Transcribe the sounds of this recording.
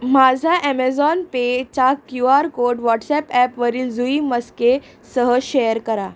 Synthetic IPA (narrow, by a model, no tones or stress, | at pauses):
mad͡zʱaʔɛmɛd͡zɔnpet͡ɕakjuaɾkoɾɖʋɔʈsɛpɛpʋəɾiːld͡zuiməske | səɦəɕejəɾkəɾa